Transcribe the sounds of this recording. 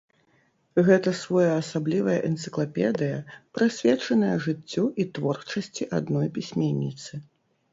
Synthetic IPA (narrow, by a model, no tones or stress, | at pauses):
ɣɛt̪ɐsvɔjɐːsablʲivɐjɐʔɛnt̪sɨklˠapʲɛd̪ɨjɐpɾɨsʲvʲɛt͡ʂɐnɐjɐʐɨt͡sʲːuʔit̪vɔrt͡ʂɐsʲt͡sʲiʔad̪nɔjpʲisʲmʲenʲːit̪sɨ